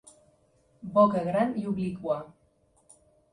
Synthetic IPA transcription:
bokeɣɾaniuβlikua

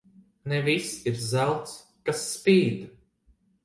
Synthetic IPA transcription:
nɛvisiɾzælwˠt̪s | kasːpiːd̪

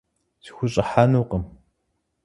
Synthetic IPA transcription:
si̥xʷʊɕʼɐħaːnuːqəm

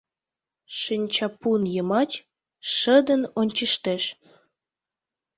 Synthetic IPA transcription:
ʃənʲt͡ɕɑpunjəmɑt͡ɕ | ʃəd̪ənonʲt͡ɕəʃt̪eʃ

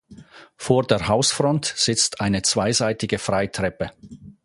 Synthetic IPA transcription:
foːɐdeːɐɦaʊsfʁɔntz̥ɪt͡stʰʔaɪnət͡sv̥aɪzaɪtɪɡəfʁaɪtʁ̥ɛpə

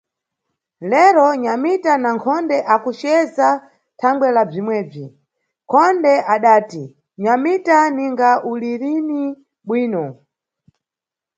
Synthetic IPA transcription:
lɛɾɔɲamitanaŋkʰɔndɛʔakut͡ʃɛza | tʰaŋɡwɛlab͡ʐimwɛːb͡ʐi | kʰɔndɛʔaɗaːti | ɲamitaniŋɡaʔuliɾini | ɓwiːnɔ

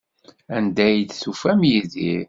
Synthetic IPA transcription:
ænd̪æjd̪θufæmjiðḭɾ

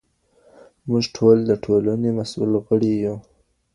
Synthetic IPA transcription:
mʊʐʈʰold̪əʈʰolanemasṵlɣəɽiju

